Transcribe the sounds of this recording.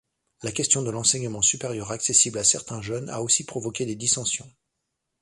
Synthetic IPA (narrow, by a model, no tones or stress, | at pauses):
lakʲɛst̪jɔ̃d̪əlɑ̃sɛɲəmɑ̃sypeʁjœʁaksesiblasɛʁt̪ɛ̃ʒœna̰osipχɔvɔkʲed̪ed̪isɑ̃sjɔ̃